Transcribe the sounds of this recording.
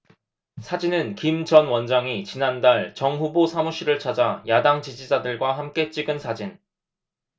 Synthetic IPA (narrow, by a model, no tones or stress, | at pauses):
sʰad͡ʑinɯnkimd͡ʑʌnwʌnd͡ʑaŋit͡ɕinandaɭt͡ɕʌŋɦubosʰamuɕ͈ʰiɾɯɭt͡ɕʰad͡ʑajadaŋt͡ɕid͡ʑid͡ʑadɯɭɡwaɦamk͈e̞t͡ɕ͈iɡɯnsʰad͡ʑin